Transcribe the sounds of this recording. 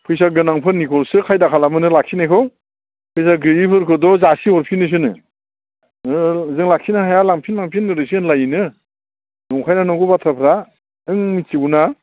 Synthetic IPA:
pʰɯjs̬aɡɯnaŋpʰɯnːikʰɔlsɯkʰajdakʰalamɯnɯlak̚sinajkʰɔw | pʰɯjs̬aɡɯipʰɯɾkʰɯdɔzasihɔɾpʰinɯs̬ɯnɯ̰ | zɯŋlak̚sinaɦajalaŋpʰinlaŋpʰinːɯɾɯsinlajinɯ | duŋkʰajnanɔwɡɯbatʰɾapʰɾa | ɯŋmit͡ʃiɡuna

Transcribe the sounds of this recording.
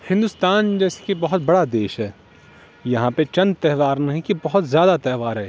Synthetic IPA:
hɪ̃nd̪uːst̪aːnd͡ʒɛːse̥kibɐɦʊt̪bɐɽad̪eːʃɦɛː | jɐɦãpet͡ʃɐ̃nd̪̚t̪ɛɦʋaːɾnɐɦĩkibɐɦʊt̪zjaːd̪at̪ɛɦʋaːɾɦɛː

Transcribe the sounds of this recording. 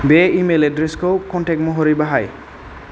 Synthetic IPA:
beimeledɾiskowkɔnʈʰekmoɦoɾibaɦaj

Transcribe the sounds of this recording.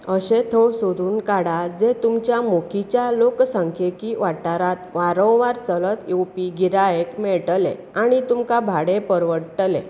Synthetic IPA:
əɕet̪ʰoɭsod̪ʱuːnkaɽad͡zet̪umt͡ɕjamokʰit͡ɕjaloksaŋkʰekiʋaʈːaɾat̪ʋaɾə̃wʋaɾt͡sələt̪ewpiɡiɾaekmɛɭʈəlḛ | aɽ̃it̪umkabʱaɽepəɾʋəʈəlḛ

